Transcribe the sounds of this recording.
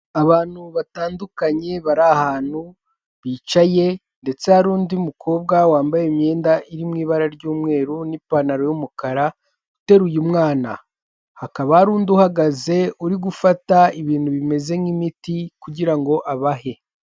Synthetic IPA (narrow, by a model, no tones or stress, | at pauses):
aβaːn̥huβataːndukaɲe̞βaɾahaːn̥u | βiːt͡ʃaje̞ | nde̞t͡se̞haɾuːndiumukʰo̞ːbɡawaːmbajemɲe̞ːndaʔiɾimŋiːβaɾaɾɟuːmŋe̞ːɾunipanaɾo̞jumukaɾa | ute̞ɾujumŋaːna̰ | hakaβahaɾuːnduhaɡaze̞uɾiɡufataiβiːn̥huβime̞ze̞ŋimitikuɟiɾaŋɡo̞ʔaβaɦe̞